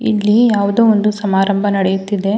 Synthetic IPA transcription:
ḭlːijaːʋud̪oːond̪usɐmaːɾɐmbʱɐnɐɽejut̪ːid̪e̞

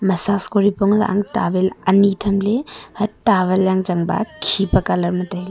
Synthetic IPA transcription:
mɐsaskoɾipoŋl̰ʔa̰ŋtabelɐnitʰɐmlebɐtaβeljaŋd͡ʒɐŋba̰kʰipɐkalɐɾmɐtajl

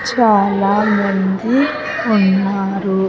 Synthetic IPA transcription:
t͡ʃaːlaːmɐnd̪i | unːaːɾu

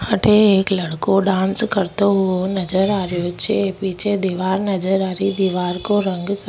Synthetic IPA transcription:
hɐʈʰeeːklɐɽkoɖãːnskəɾt̪oɦuonɐd͡ʒəɾaːɾjot͡ʃʰepiːt͡ʃʰed̪iːʋaːɾnɐd͡ʒəɾaːɾid̪iʋaːɾkoɾə̃ŋɡs

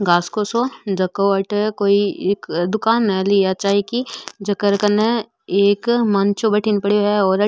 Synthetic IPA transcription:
ɡaːskosod͡ʒɐkoɐʈkoːiekd̪ʊkaːnːɐlijat͡ʃaːɦekid͡ʒɐkəɾkɐne | eːkmãnt͡ʃobɐʈʰɪnpɐɽoɦɛɔːɾɐ

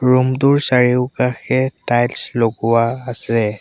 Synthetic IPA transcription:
ɹumtʊɹsaɹiʊkaxɛtajlsloɡʊwaːsɛ

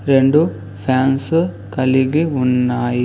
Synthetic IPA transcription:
ɾeɳɖu | pʰjaːns | kɐliɡeunːaːji

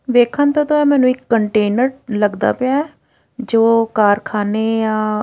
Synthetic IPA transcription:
ʋeːkʰənt̪aːt̪õːɛːmɛ̃ːnũːɪkːəɳʈeːnəɾləɡd̪a̰ːpɪaːɛː | d͡ʒoːkaːɾkʰaːneːjãː

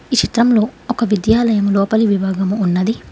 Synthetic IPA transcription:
it͡ʃit̪ɾɐmlo̞ːɔkɐʋid̪jaːlɐjɐmlɔːpɐliʋibʱaːɡɐmuːnːɐd̪i

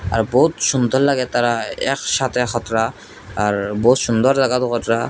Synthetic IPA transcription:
aɾbɔut̪ʃund̪ɔɾlaɡɛt̪aɾaɛkʃat̪ʰexʰɔt̪ɾaː | ɾbout̪ʃund̪ɔɾzaɡat̪ɔkɔt̪ɾa

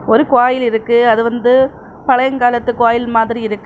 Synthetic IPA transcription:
ɔɾɯkʊaːjɪlɪɾɯkːɯɐðɯʋɐnd̪ɯ | pɐɻɐjɐŋɡaːlɐt̪ːɯkːʊaːjɪlmaːðɪɾiɪɾɯkːɯ

